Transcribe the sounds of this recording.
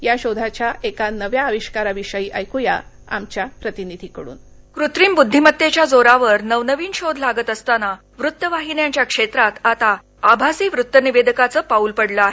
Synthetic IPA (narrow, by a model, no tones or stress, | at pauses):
jaɕod̪ʱat͡ɕjaekanəʋjaəʋiɕkaɾaʋiʂəjiːʔajkuja | a̰mt͡ɕjapɾət̪inid̪ʱiːkəɽṵːn | kɾut̪ɾiːmbud̪ʱːimət̪ːet͡ɕjad͡zoɾaʋəɾnəʋnəʋiːnɕod̪ʱlaɡət̪əst̪ana | ʋɾut̪ːəʋaɦinjaɲt͡ɕjakʂet̪ɾat̪at̪a | abʱasiːʋɾut̪ːəniʋed̪əkat͡səːpaulpəɽləaɦe